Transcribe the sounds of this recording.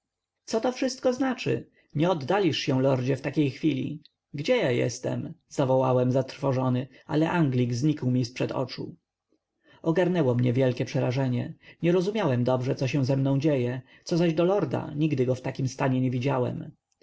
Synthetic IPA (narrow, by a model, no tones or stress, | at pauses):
t̪sɔt̪ɔfʂɘst̪̚kɔznat͡ʂɘ̰ | ɲɛɔd̪ːalʲiʂɕɛw̃lɔɾd͡ʑɛft̪akʲejxfʲilʲḭ | ɡd͡ʑɛjajɛ̰st̪ɛ̰mz̥avɔwawɛmzat̪ɾfɔʐɔnɘ | ʔa̰lɛʔaŋɡlʲiɡzɲikwmʲispʂɛd̪ɔ̰t͡ʂṵ | ɔɡaɾnɛwɔmɲɛvʲjɛlkʲɛpʂɛɾaʐɛɲɛɲɛɾɔzumʲjawɛmd̪ɔbʐɛt̪ɔɕɛ̃w̃zɛmnɔ̃w̃d͡ʑejɛ | t̪sɔzaʑd̪ɔlɔɾd̪a̰ɲiɡd̪ɘɡɔft̪akʲimst̪aɲɛɲɛvʲid͡ʑawɛ̰m